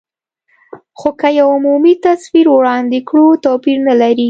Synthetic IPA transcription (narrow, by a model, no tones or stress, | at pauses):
xokəjawʊmumit̪asfiɾwɽɑnd̪ɪkɽut̪opiɾnalaɾi